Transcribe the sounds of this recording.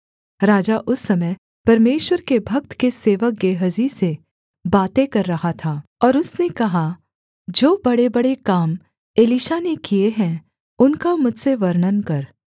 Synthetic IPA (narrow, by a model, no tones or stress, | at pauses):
ɾaːd͡ʒaʔʊsːɐməj | pɐɾmeːʃwəɾkebʱɐk̚t̪keseːʋək̚ɡeːɦəzise | baːt̪ekɐɾːɐɦat̪ʰaːɔːɾʊsnekɐɦa | d͡ʒoːbɐɽebɐɽekaːm | eːliʃanekieɦɛ̃ | ʊnkamʊd͡ʒʱseʋɐɾnənkɐɾ